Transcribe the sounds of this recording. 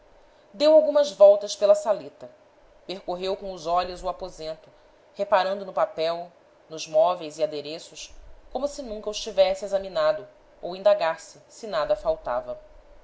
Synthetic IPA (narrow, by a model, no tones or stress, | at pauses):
d̪ewawɡũmɐzvɔwt̪ɐspelɐsalet̪ɐ | peɾkoɦewkõʊzɔʎʊzuapozẽnt̪ʊ | hepaɾɐ̃nd̪ʊnʊpapɛw | nʊzmɔvejziad̪eɾesʊʃkõmʊsɪnũkɐʊɪʃt͡ʃivɛsɪezɐminad̪ʊ | owĩd̪aɡasɪsɪnad̪ɐfawt̪a̰vɐ